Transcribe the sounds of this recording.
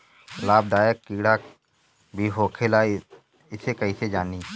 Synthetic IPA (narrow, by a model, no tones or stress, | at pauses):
laːb̚d̪aːjəkːiːɽa | bʱiːɦoːkʰeːlaː | ɪsekəiːsed͡ʒaːniː